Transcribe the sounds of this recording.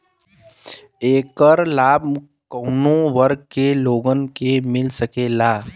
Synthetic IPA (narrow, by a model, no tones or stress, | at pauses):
eːkəɾlaːb | kəʊnõʋəɾɡ̚keloːɡənkemɪlsəkeːlaː